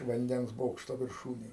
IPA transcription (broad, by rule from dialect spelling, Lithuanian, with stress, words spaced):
ʋɐnʲˈdʲɛns ˈboːkʃtoː ʋʲɪrˈʃuːnʲeːj